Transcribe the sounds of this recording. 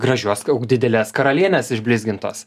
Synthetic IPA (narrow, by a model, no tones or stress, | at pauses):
ɡɾɐʒʲuɔsɐʊkd̪ʲɪd̪ʲɛlʲɛːskɐɾɐlʲiɛnʲɛsɪʒʲbʲlʲɪzʲɡʲɪnt̪o̰ːs